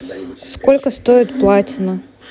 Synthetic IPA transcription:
skolʲkəst̪o̞ɪt̪plˠatʲɪnə

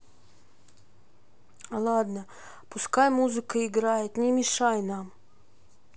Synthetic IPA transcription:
alˠad̪nə | pʊskajmuzɨkəɪɡɾajɪt̪nʲɪmʲɪʂajnam

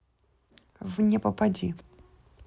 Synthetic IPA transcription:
vnʲɛpɐpad͡zʲḭ

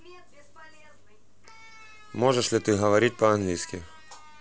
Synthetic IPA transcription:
mɔʐɛʂlʲit̪ɪɦɐʋɐɾʲit̚ʲpɐɐnɦlʲijsʲkʲi

